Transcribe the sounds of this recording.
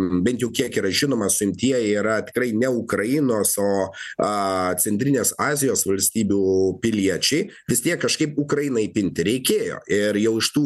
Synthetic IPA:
bʲɛnt̪jɛʊkʲiɛkiːɾɐʒʲɪnoːmɐsʊɪmʲt̪ʲiɛjɛiːɾɐt̪ʲɪ̥kɾrɐɪnʲɛʊkɾɐjɪnoːsoːɐt͡sʲɛnʲt̪ʲɾʲɪnʲeːsɑːzʲɪjoːsʋɐlʲsʲt̪ʲiːbʲuːpʲɪlʲiɛt͡ʃʲɛɪʋʲɪst̪ʲiɛkːɐʃkɐɪpʊkɾɐjɪnɐɪpʲɪnʲt̪ʲɪɾʲɛɪkʲeːjo̰ːɪɾjɛʊɪʃt̪uː

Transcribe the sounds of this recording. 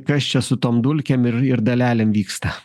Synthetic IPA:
kɐst͡ʃʲɛsʊt̪oːmd̪ʊlʲkʲemɪɾɪɾd̪ɐlʲæːlʲemʋʲiːkst̪ɐ

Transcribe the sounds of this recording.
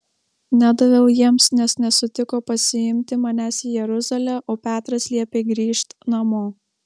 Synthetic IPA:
nʲæd̪ɐʋʲɛʊjiɛmsnʲɛsnʲɛsʊt̪ʲɪkoːpɐsʲɪɪmʲt̪ʲɪmɐnʲæːsiːjɛɾʊzɐlʲɛʔoːpʲæːt̪ɾɐslʲiɛpʲeːɡɾʲiːʃt̪nɐmoː

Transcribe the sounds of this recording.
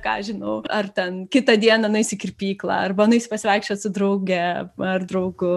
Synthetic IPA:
kɑ̰ːɐʒʲɪnɐʊɐrt̪ʲɛnkʲɪt̪ɐd̪ʲiɛnɐnʊɪsʲɪkʲɪrʲpʲiːklˠɑ̰ːɐrbɐnʊɪsʲɪpɐsʲɪʋɐɪkʃʲt͡ʃʲɛsʊd̪ɾɐʊɡʲɛɐrd̪ɾɐʊɡʊ

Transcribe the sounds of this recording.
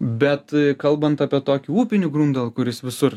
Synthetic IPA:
bʲɛt̪kɐlˠbɐnt̪ɑːpʲiɛt̪oːkʲɪuːpʲɪnʲuɡɾuːnd̪ɐlˠkʊɾʲɪsʋʲɪsʊr

